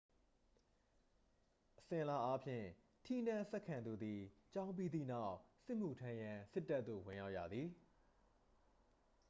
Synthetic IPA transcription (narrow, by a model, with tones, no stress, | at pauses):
ʔəsɪ̃˨ʔəla˦ʔa˦pʰjɪ̰̃˦˨ | tʰi˦nã˦˨sɛ˦ʔkʰːã˨nd̪u˨d̪i˨t͡ɕã˦ʊ̃mp̬i˦d̪ðḭ˦˨na˦ʊʔsɪ˦ʔm̥u˨tʰã˦jã˨sɪ˦tːa˦t̪ːo̰˦˨wɪ̃˨ja˦ʊʔja̰˨d̪ði˨